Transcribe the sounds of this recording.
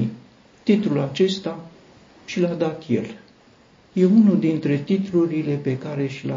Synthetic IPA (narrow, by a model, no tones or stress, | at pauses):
t̪it̪ɾulat͡ʃe̞st̪a | ʃilad̪at̪je̞̰l | je̞unud̪int̪ɾe̞t̪it̪luɾile̞pe̞kaɾe̞ʃila̰